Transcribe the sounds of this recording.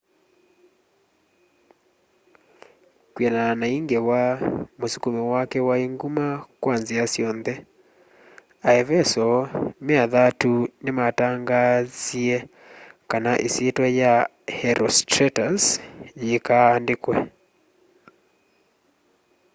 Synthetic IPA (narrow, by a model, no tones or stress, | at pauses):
kwɛnanaiŋɡewamosukumɛwakɛwaeŋɡumakwanziasjɔnðɛ | aɛvɛsɔmeaðatunemataŋɡaziɛ | kanaʔesetwɛja | hɛɾɔstɾɛtasjekaːndekwɛ